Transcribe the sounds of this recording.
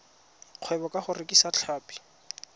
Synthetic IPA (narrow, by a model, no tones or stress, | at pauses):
q͡χʰwɛbɔkʼaχʊrɪkʼisat͡ɬʰaːpʼi̥